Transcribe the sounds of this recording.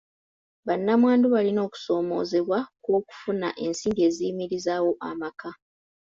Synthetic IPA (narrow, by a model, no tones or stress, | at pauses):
βanːamwaːnduβalino̞ːku̥so̞ːmo̞̰ːzeβwakwo̞ːku̥funa̰ʔe̞nsiːndie̞ːzimiɾizaːwo̞ʔa̰maka